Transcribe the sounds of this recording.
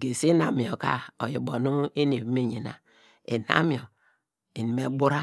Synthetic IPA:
ɡe˨si˦na˨mi˨o˨ka˦o˨ji˨bo˨nu˦e˦ne˨me˦˨ɲi˨na̰˨ | e˨na̰˦mi˦˨o˨ | i˨ni˨me˨ɡ͡bu˦ɾa˦

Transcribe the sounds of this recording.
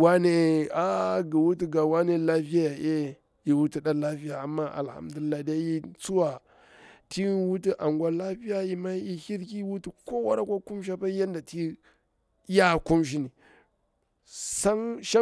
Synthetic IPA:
wa˦ne˦a˦ɡi˨wu˦ti˦ɡa˨wa˦ne˦la˦fi˦ja˦ja˨ʔe˦ | ji˨wu˦ti˦ɗa˦la˦fi˦ja˨a˨mːa˦ʔa̰˨lha̰˦mdu˨li˨˦lːa˨di˦ja˦ji˦t͡su˦wa˨ | ti˦wu˦ti˦ʔa˨ŋɡwa˦la˦fi˦ja˦ji˨ma˦ji˨hi˦ɾki˦wu˦ti˦ko˦wa̰˦ɾa˦kʷa˦ku˦mʃ̬a˦pa˦ja˦nda˨ti˦ | ja˦ku˦mʃ̬i˦ni˨ | sa˦ŋʃa˦

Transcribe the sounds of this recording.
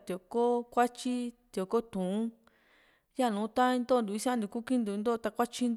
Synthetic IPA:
t̪o˨ko˦kʷa˦t͡ʃi˦t̪jo˨ko˦t̪ũ˨ũ˦ | ja˦˨nũ˨˦t̪ã˦ĩ˧nd̪o˦˨˧nd̪u˨˧i˧sã˦nd̪u˧ku˦kĩ˦nd̪u˧nd̪o˦˧t̪a˧kʷa˦t͡ʃi˧n

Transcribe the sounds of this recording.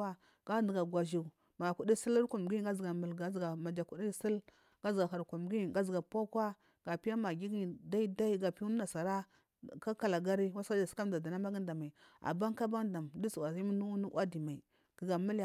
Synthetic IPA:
a˦ | ɡ̥a˦də˨ɡa˨ɡʷa˨ʒi˨ | ma˨ku˨di˦si˦lɾku˨m˨ɡi˦ɡa˦zɡa˨mə˨lɡa˨zɡa˨ma˨d͡ʒa˨ku˨di˦si˦l | ɡa˦zɡa˨ɦa˨ɾku˨m˨ɡi˦˨ɡa˨zɡa˨pa˦kwa˦ | ɡ̥a˨pi˦a˦ma˨ɡi˦ɡi˦˨da˦i˦da˦i˦ɡa˨pi˦u˦a˨sa˨ɾa˦ | ka˦ka˦la˨ɡa˦ɾi˦wa˦ska˦d͡ʒa˨ska˦m˨da˨da˨na˦ma˦ɡi˦n˦da˨ma˨i˨a̰˨ba˦ŋka˦ba˦nda˨mdi˦su˨wa˨zi˦m˦nu˦nu˦ʔʷwa˦di˨ma˨i˨ | ɡi˨ɡa˨mi˦lj

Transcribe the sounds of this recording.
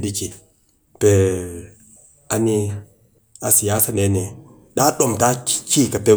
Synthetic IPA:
di˦ki˨ | pe˨ | a˨ni˦ | a˨si˨ja˦sa˨ne˨˦ne˨ | ɗa˦ɗo˨mta˦t͡ʃi˦ka˨pe˦

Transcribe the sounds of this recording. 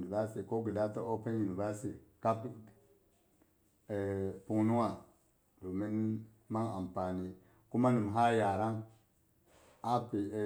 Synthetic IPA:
ni˨va˦si˨ko˦ɡi˨da˦to˦o˦pe˦nju˨ni˨va˦si˨ka˦pi˦ | e˨pu˨ŋnu˦ŋa˨ | do˨mi˦n | ma˦ŋa˨mpa˨ni˨ | ku˦ma˦ni˨m˨ɦa˦ja˨ɾa˦ŋ | a˦pi˨

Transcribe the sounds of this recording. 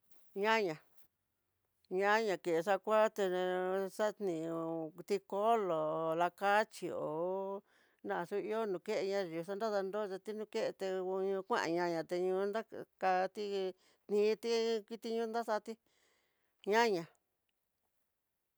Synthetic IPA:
ɲã˦ɲã˨ | ɲã˦ɲã˧˨ke˨ʔʂ̬a˦˧kʷa˦t̪e˧sa˦t̪nĩ˨˧t̪i˧ko˦lo˨la˧ka˦t͡ʃi˧o˨ | nã˦˨˧su˦i˦o˦nũ˨ke˦ʔe˧ɲã˧ʒi˨˧s̬a˦nd̪a˦ða˧nd̪o˦˧t͡ʃa˧t̪i˦nũ˧ke˦ʔe˧t̪e˧u˧ɲũ˧kʷã̰˦ʔã̰˨ɲã˧ɲã˨t̪e˧ɲũ˧nd̪a˦ka˧t̪i˦ | t̪nĩ˧˨˧t̪i˦ki˦t̪i˧ɲũ˦nd̪a˦sa˦˧t̪i˦ | ɲã˦ɲã˨

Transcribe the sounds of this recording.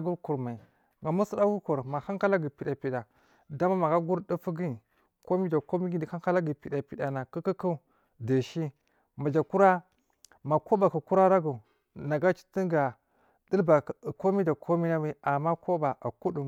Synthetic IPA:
ɡu˦ɾku˨ɾma˨i˨ | ŋɡa˨mu˦su˦da˦ɡu˦ko˨ɾma˨ha˦ŋka˦la˦ɡi˨pi˨da˨pi˨da˨ | da˦ma˦ma˨ɡa˦ɡu˦ɾdu˦fu˦ɡi˦˨ | ko˦mi˦da˨ko˦mi˦ɡi˦di˨a˦ŋka˦la˦ɡi˨pi˨da˨pi˨da˨na˨ku˦ki˦ku˦˨ | da˨ʃi˦ | ma˨d͡ʒa˨ku˦ɾa˦ | ma˨ko˦ba˨ku˨ku˦ɾa˦ɾa˦ɡu˨ | na˨ɡa˦t͡ʃi̥˦ti˦ŋɡa˨ | di˦lba˨ko˦mi˦da˨kʰo˦mi˦na˦wi˦a˨ma˦ko˦ba˨ʔa˨ku˦du˨

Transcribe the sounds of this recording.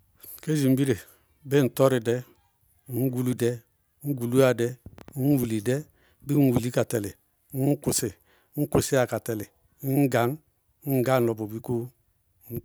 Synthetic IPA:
ke˦d͡ʒi˨m˦bi˦ɾe˨ | be˦n̩˨tɔ˦ɾɪ˨dɛ˦ | ŋ̩˦ɡu˦lu˦dɛ˦ | ŋ̩˦ɡu˨lu˦a˨dɛ˦wu˨li˨dɛ˦ | bi˦n˦wu˨li˦ka˨tɛ˨lɪ˨˦ | ŋ̩˦kʊ˨sɪ˨˦ | ŋ̩˦ku˨si˦a˨ka˨tɛ˨lɪ˨˦ | ŋ˦ɡa˨˦ŋ̩˦ | ɡa˦n̩˨lɔ˨bo˨bi˦ko˦

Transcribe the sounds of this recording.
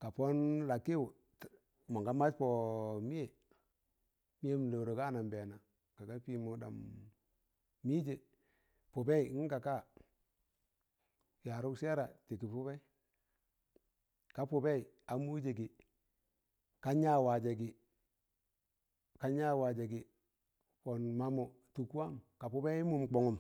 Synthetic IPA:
ka˨pɔ˦nla˨kɪ˦ʊ˨ | t | ma˨ŋɡa˦ma˦tpɔ˨mi˦e˨ | mi˦je˦m˨lo˨ɾo˨ka˦na˨mbɛ˨na˨ | ka˨ka˦pi˦˨mu˨da̰˨m | i˦d͡ʒe˨ | pʊ˨bɛ˦i˨ŋ̩˦ka˨ka˦˨ | ja˨ɾʊ˦kse˦ɾa˨ti˨ki˨pu˦bɛ˦ | ka˦pʊ˨bɛ˦i˨a˨mu˦d͡ʒe˨ɡi˨ | ka˦ɲa˦wa˨d͡ʒe˨ɡɪ˨ | ka˨˦ɲa˦wa˨d͡ʒe˨ɡɪ˨ | fɔ˨nma˨mo˨ | tu˨ku˦a˦mka˨pu˦bɛ˦i˦mu˦mk͡po˨ŋu˨m

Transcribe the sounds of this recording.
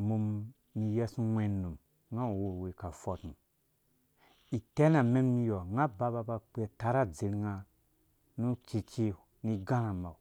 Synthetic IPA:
mu˨mː | i˨jɛ˦su˦wɛ˨nːu˨m | ŋa˦˨wo˦˨we˨ka˨fɔ˨tu˨ | i˨tɛ˦na˨me˦mmi˧˦jɔ˨ŋa˦ba˦ba˧ba˧k͡pe˨ta˨ɾa˦d͡zi˨ɾŋa˧ | nu˦t͡ʃi˧t͡ʃi˦ | ni˦ɡa˦na˨ma̰˨

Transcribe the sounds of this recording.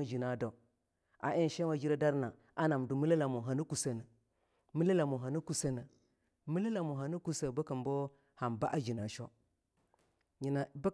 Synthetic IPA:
d͡ʒi˨na˨do˨ | a̰˨ʔe˦n˨ʃe˦ma˨d͡ʒi˦ɾa˦da˦ɾna˨ | a˦na˨mdu˨mi˦la˦la˨mu˨ɦa˨nu˦ku˨sə˦na˨ | mi˦la˦la˨mu˨ɦa˨nu˦ku˦sə˦na˨ | mi˦la˦la˨mu˨ɦa˨nu˦ku˦sə˨ba˦kə˨mbo˦ | ha˨mba˦ʔa˦d͡ʒi˨na˨ʃo˦ | ɲi˨na˨ba˦

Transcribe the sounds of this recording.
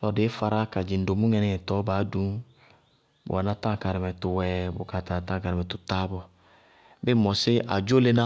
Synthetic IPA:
lɔ˨dɪ˨˦fa˧ɾa˦ka˨d͡ʒi˨n̩˨do˨mu˦ŋɛ˨nɪ˨ŋɛ˨tɔ˨˦baː˨˦dũ˦ | bʊ̰˨a˨nã˦tã˦˨ka˨ɾɪ˨mɛ˨tʊ˨wɛ˨bʊ̰˨ka˨ta˨tã˦˨ka˨ɾɪ˨mɛ˨tʊ˨ta˦bɔ˧ | bɪ˦˨mɔ˨sɪ˦ʔa̰˨d͡ʒo˦le˦nã˦

